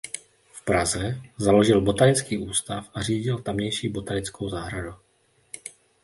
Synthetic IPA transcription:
fpɾazɛzalo̞ʒɪlbo̞t̪anɪt͡skiːʔuːst̪afʔariːɟɪlt̪amɲɛjʃiːbo̞t̪alɪt͡sko̞wzaːɦɾadu

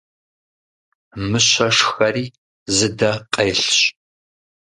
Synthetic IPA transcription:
mɨɕɐʂxɐriː | zɨdɐqʼejɬɕ

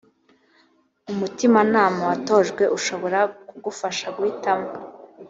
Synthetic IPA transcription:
umutimanaːmawato̞ːʒɡwe̞ʔuʃo̞βo̞ɾakuɡufaʃaɡwiːtama

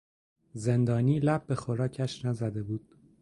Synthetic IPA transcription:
ze̞nd̪ɒːniːlæb̚be̞xoɾɒːcʰæʃnæzæd̪e̞buːd̪̥

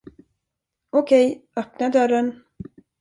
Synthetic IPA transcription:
ɔkʰɛjœpnaɖœɾən

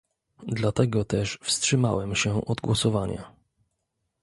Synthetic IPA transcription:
d̪lat̪ɛɡɔt̪ɛʂfstʂɘma̰wɛmɕɛʔɔd̪ɡwɔsɔvaɲa̰

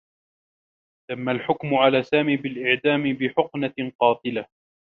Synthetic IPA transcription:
t̪amːalħʊkmʊʕalaːsaːmiːbɪlʔɪʕd̪aːmɪbɪħʊqnaqɑːt̪ˤɨla

